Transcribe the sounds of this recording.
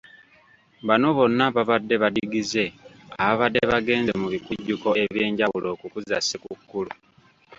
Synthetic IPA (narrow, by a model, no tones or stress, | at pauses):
βano̞βo̞nːaβaβadːe̞βadiɡize̞ | aβaβadːeβaɡe̞ːnzemuβikuɟːuko̞e̞βje̞ːɲɟawulo̞ːkukuzasikukːulu